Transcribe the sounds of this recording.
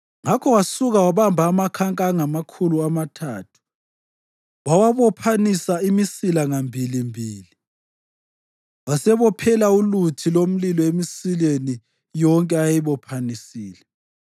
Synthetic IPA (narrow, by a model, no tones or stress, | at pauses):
ŋakʰɔwasuɣawaβambʱaːmakʰaŋkʼaŋamakʰuluamatʰaːtʰu̥ | wawaβɔpʰanisaimisilaŋambʱilimbʱiːli | wasɛβɔpʰɛlaulutʰilom̩lilɔemisileni | jɔŋkʼɛajiβɔpʰanisiːlɛ